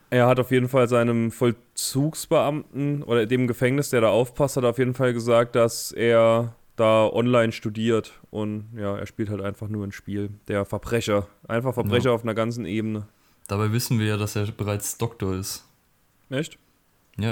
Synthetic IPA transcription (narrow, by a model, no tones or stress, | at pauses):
ʔeːɐhataʊfjeːdn̩falzaɪnəmfɔl | t͡suːksb̥əʔamtn̩ʔo̰ːɾɐdeːmɡəfɛŋnɪsd̥eːɐɾaːʔaʊfpʰasthatːɐaʊfjeːdn̩falɡəzaːk̚t̚d̥asʔeːɐ | d̥aːʔɔ̰nlaɪnʃtudiːɐt | ʔʊntjaːḛːɐʃpiːlthaltʔaɪnfaχnuːɐnʃpiːld̥eːɐfɛɐbʁɛçɐʔaɪnfaχfɛɐbʁɛçɐaʊfnɐɡant͡sn̩ʔeːbənə | d̥abaɪvɪsn̩viːɐjaːdaseːɐbəʁaɪt͡sd̥ɔk̚toːɐɪst | ʔɛçt | jaː